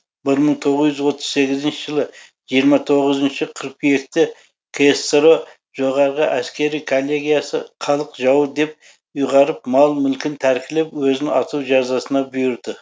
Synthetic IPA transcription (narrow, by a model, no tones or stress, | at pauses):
bɪɾməɴt̪ʰo̞ʁəzjʏzwo̞t̪ʰːəz̥se̞ɡʲɪzɪnʃɪʒəlˠə | ʒ̥ijəɾmɑt̪ʰo̞ʁəzənʃɪqʰəɾq̚pʰʏje̞k̚t̪ɪ | kʰest̪ɾo | ʒo̞ʁɑɾʁəʔæskʲe̞ɾijkʰolʲˠːe̞ɡʲijasə̰qʰɑlˠəqʒɑwəd̪e̞p̚ | ʊjʁɑɾəp̚mɑlˠmʏlkʲɪnt̪ʰæɾkʲɪlepwɵzɪnɑt̪uʒɑzɑsənɑbʏjʊɾd̪ɪ